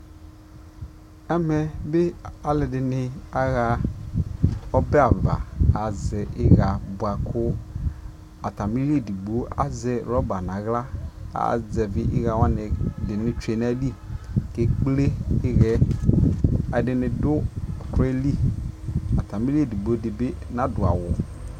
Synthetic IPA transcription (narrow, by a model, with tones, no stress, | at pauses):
ɛ˦mɛ˨be˦a˨lɛ˨dɪ˨nɪ˨a˦ɣa˨ | ɔ˦bɛ˦a˨va̰˨a˨zɛ˨ʔɪ˦ɣa˨bʊ˨a˨kʊ˦ | a˨ta˨mi˦ɾi˦e˦˨di˨ɡ͡bu˨o˦ʔa̰˨zɛ˨ɾɔ˦ba˨na˨ɣla˦a̰˨zɛ˨vɪ˦ʔɪ̰˦ɣa˨wa˦nɪ˨dɪ˨nɪ˦t͡ʃu˦e˨na˦di˦ke˦k͡ple˦ɪ˦ɣɛ˦ | a˨dɪ˨nɪ˨dʊ˦˨kɾɛ˦li˦ | a˨ta˨mi˦li˦e˦˨di˨ɡ͡bo˦dɪ˨be˦na˦dʊ˨a̰˨wɔ˨